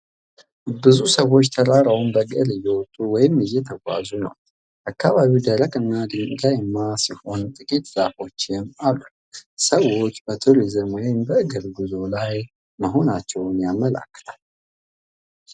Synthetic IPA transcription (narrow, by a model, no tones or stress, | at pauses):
bɨzusəwo̞t͡ʃːt̪ʰəɾʼaɾawmbəɡʼəɾɨjːɛwɔt̪ʼːuwɔjɪmɨjːɛt̪ʰəɡʷa̰zunə̰w | ʔakːaβaβiwd̪əɾəkʼɨnːad̪ɨŋɡajɛmːasiho̞nt̪ʼɨkʼit̪z̥afo̞t͡ʃːjɛmalːu | səwo̞t͡ʃːbət̪ʰuɾizɨmwɔjɪmbəːɡəɾɡɨzo̞laj | məɦo̞nat͡ʃːɛwnjamːəla̰kːə̥t̪ʰal